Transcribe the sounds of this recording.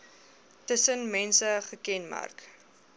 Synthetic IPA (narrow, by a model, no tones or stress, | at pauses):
təsənmɛnsəχəkɛnmæ̰rk